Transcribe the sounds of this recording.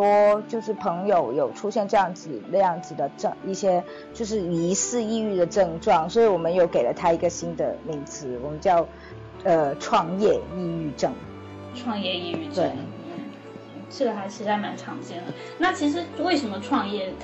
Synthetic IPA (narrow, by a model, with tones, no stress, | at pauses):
wɔ˥t͡ɕjo˥˧ʊʂ̬ɻ̩˥˩pʰɤ˧˥ŋjo˨˩ʊjo˨˩ʊʈ͡ʂʰu˥ɕjɛ˥˧nʈ͡ʂɤ˥˧jɑ˥˩ŋd͡zɹ̩˨˩nə˥˧jɑ˥˩ŋd͡zɹ̩˨˩d̪ə˩ʈ͡ʂɤ˥˧ŋi˥˩ɕjɛ˥ | t͡ɕjo˥˧ʊʂɻ̩˥˩i˧˥sɹ̩˥˧i˥˧y˥˩d̪ə˩ʈ͡ʂɤ˥˧ŋʈ͡ʂwɑ˥˩ŋswɔ˧˥i˧˥wɔ˨˩mə˦njo˧˩ʊke˨˩ɪlə˦t̪ʰa˥i˧˥ɡə˧ɕi˥nd̪ə̰˨mi˧˥ŋt͡sʰɹ̩˧˥wɔ˨˩mə˦nt͡ɕjɑ˥˩˧ʊ | ə˧ʈ͡ʂʰwɑ˥˧ŋjɛ˥˧i˥˧y˥˧ʈ͡ʂɤ˥˩ŋ | ʈ͡ʂʰwɑ˥˧ŋjɛ˥˧i˥˧y˥˩ʈ͡ʂ̪we˥˩ɪ˥˩˨ | t͡ɕʰi˥˩d̪ə˩ha˧˥ɪt͡ɕʰi˧˥ʂ̩˥˧˩a˥˩ma˧˥nʈ͡ʂʰɑ˧˥ŋt͡ɕjɛ˥nə˩ | na˥˩t͡ɕʰi˧˥ʂ̬ɻ̩˧˥we˥˩ɪʂə˧˥nmə˧ʈ͡ʂʰwɑ˥˧ŋjɛ˥˩